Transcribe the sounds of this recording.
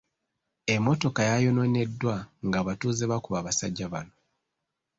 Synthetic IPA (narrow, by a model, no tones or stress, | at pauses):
e̞mːo̞to̞kajajo̞no̞ne̞dːwaŋɡaβatuːzeβakuβaːβasa̰ɟːaβa̰no̞